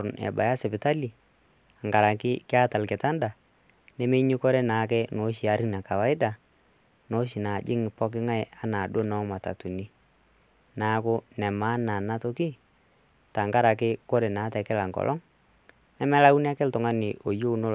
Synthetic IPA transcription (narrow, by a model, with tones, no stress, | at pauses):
nɛ̰˨ba̰˨ja˦sɛ˨pɪ˨ta˦li˨ | a˨ŋɡa˨ɾa˨kɪ˦kɪ˦a˦ta˨lkɪ˨ta˦nda˨ | nɛ˦me˦ɲi˦ko˦ɾe˦na˨˦k̬ɛ˦no˨˦ʃi˨a˨ɾi˦na˨ka˨wa˨ɪ˦da˨ | no˦ʃɪ˨na˨d͡ʒɪ˦ŋ˨pɔ˦k̬ɪ˦ŋa˦ja˨na˨ɗo˦nɔ˦ma˨ta̰˨tu˨ni˦ | na˦kʊ˦nɛ˨maː˦na˨na˦to˦ki˦ | ta˨ŋɡa˦ɾa˨kɪ˦ko˦ɾe˨naː˨˦tɛ˨kɪ˦la˨ŋkɔ̰˨lʔɔ̰˦ŋ | nɛ˦mɛ˦la˦u˦n˦a˦kɪ˦ltʊ˨ŋa˦nɪ˨ʔo˨jo˦˨no˦